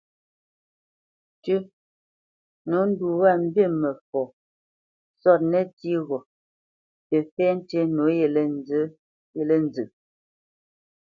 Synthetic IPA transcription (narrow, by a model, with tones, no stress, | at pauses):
t͡ʃə˦ | no˨˦n̩˦du˨wa˦˨m̩˦bje˦˨mɛ˨fɔ˨ | sɔ˦˨t̚nɛ˦ti˦ɣɔ˨ | te˨fɛ˦n˦te˦no˨˦je˨le˦˨n˨zə˦ | je˦˨le˦n˨d͡zɨ˨